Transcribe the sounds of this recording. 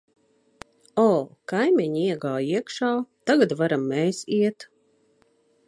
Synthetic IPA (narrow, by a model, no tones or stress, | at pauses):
ɔːkajmʲɛɲiɛɡaːjiɛkʃaːt̪aɡat̪vaɾamːɛːsiɛt̪